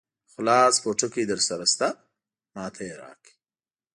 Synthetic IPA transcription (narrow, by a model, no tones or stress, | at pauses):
xʊlɑːspoʈ͡ʂokid̪əɾsaɾast̪a | mɑːt̪ʰajɾɑ̰ːki̥